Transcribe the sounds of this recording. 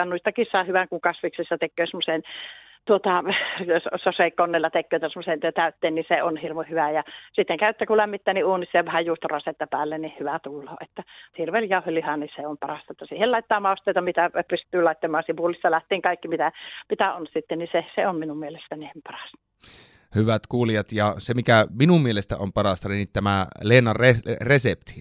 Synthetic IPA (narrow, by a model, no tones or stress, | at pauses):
ɑnuist̪ɑkissɑhyʋæŋkuŋkɑsʋiksisːɑt̪ekːˑøːsemːosen | t̪uot̪ɑjossoseˑikːonːelːɑt̪ekːøːt̪æsemːosent̪æyt̪ːeːnniseonhirʋohyʋæjɑsit̪ːeŋkæyet̪ːækulæmːit̪ːæːniuːnisːɑjɑʋæhæjjuːst̪rɑset̪ːɑpæːlːennihyʋæt̪ulːoːet̪ːæhirʋeːljɑˑuhelːihɑnniseompɑrɑst̪ɑet̪ːæsiːhelɑit̪ːɑːmɑˑost̪eˑit̪ɑmit̪æpyst̪ˑyːlɑit̪ːɑmˑɑːnsiʋulisːɑlæht̪iːŋkɑikːimit̪æmit̪æonsit̪ːenniseseomminummielest̪ænimpɑrɑ̥st̪ɑ̥ | hyʋæt̪kuːlijɑt̪jɑsemikæminummielest̪æ̰ʔompɑrɑst̪ɑninit̪t̪æmæleːnːɑreresept̪i̥